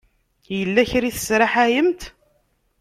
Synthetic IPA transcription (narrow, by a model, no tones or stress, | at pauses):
jjəlːæçɾiθə̥sɾaħæjəmt̪